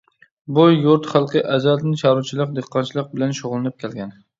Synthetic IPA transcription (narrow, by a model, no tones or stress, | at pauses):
bʊjuɾt̪χɑlˠqʰɨjʔazalt̪nɪʃɑɾut͡ʃʰɪlˠɨq̚d̪eqʰːɑnt͡ʃʰɪlˠɨq̚bɪlanʃoʁlˠɪnɪp̚kʲʰelɡʲan